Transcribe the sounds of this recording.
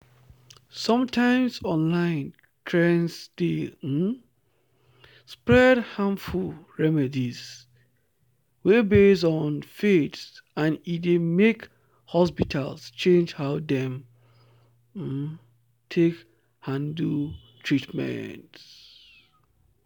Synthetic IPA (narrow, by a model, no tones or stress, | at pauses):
sɔ̃mtʰãɪ̃msɔ̃nlãɪ̃n | tʰɹɛ̃nsde | spɹɛdhãɱfulɹɛmɛdis | webes̬ɔ̃nfetsãnidemek | hɔs̬pitʰalst͡ʃẽnd͡ʒhaʊdɛ̃m | tʰek | hãndutʰɹitmɛ̰̃nt